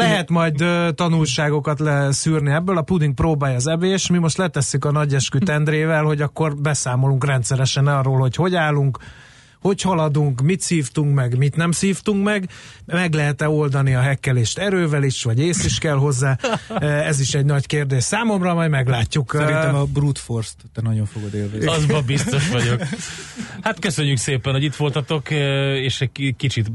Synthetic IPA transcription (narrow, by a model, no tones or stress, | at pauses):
lɛɦɛt̪mɒjd̪t̪ɒnulʃaːɡo̞kɒt̪lɛsyːrniɛbːøːlɒpud̪iŋk̚proːbaːjɒːzɛbeːʃmimo̞ʃt̪lɛt̪ɛsːykɒnɒɟɛʃkyt̪ɛnd̪ɾeːvɛlho̞ɟɒkːo̞rbɛsaːmo̞luŋkrɛnt̪sɛɾɛʃɛnɒroːlho̞cho̞ɟaːlːuŋk | ho̞chɒlɒd̪uŋkmit̪siːft̪uŋkmɛɡmit̪nɛmsiːft̪uŋkmɛɡmɛɡlɛɦɛt̪ɛo̞ld̪ɒniɒɦɛkːɛleːʃt̪ɛɾøːvɛliʃʋɒɟeːsiʃkɛlɦo̞zːaːɛziʃɛɟnɒckeːrd̪eːʃsaːmo̞mrɒːmɒjmɛɡlaːcːuksɛɾint̪ɛmɒbrut̪forst̪t̪ɛnɒɟo̞ɱfoɡod̪eːlveɒzbɒbist̪o̞ʃʋɒɟo̞k | hat̪køsø̞ɲːykseːpɛnhoɟit̪ʋo̞lt̪ɒt̪o̞keːʃɛkit͡ʃit̪